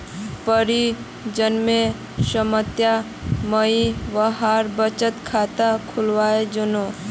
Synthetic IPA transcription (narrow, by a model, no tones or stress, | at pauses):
pəɾi | d͡ʒənme | səmət̪ja | məiʋəɦaɾbət͡ʃət̪kʰat̪akʰʊlʋaed͡ʒʊno